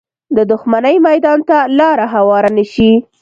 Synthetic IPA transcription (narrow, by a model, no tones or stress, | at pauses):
d̪əd̪ʊxmanəjmajd̪ɑnt̪alɑɾaɦawɑɾanəʃi